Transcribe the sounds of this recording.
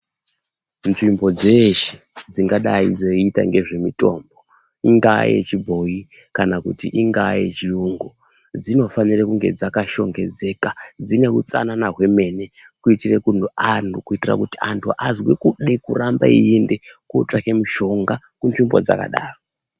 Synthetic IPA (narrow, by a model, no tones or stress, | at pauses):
nʐimbo̞d͡zeʃe̥d͡ziŋɡaɗaid͡zeita̰ŋɡe̞ʐe̞mito̞̰ːmbo̞ | iŋɡajḛt͡ʃibʱo̞ji | kanakṵtiʔiŋɡajḛt͡ʃiuŋɡo | d͡zino̞fanirekuŋɡe̞d͡zakaʃo̞ŋɡe̞d͡ze̞kad͡zine̞kut͡sa̰nanaɦwe̞me̞ne̞ | kuitirekun̤uantukuitira̰kutiantʰuʔazwekuɗekuramba̰iendekuʈ͡ʂake̞miʃo̞ŋɡa | kunʐimbod͡za̰ka̰ɗa̰ːro